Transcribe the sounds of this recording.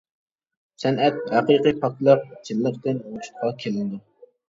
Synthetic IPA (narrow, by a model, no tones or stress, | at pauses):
sɛnɛt̪̚hæqijqijpʰɑt̪lˠɑɾd͡ʒilːɪɾd̪ɪnoʃt̪̚qʰɑkʲʰelɪnd̪ɪ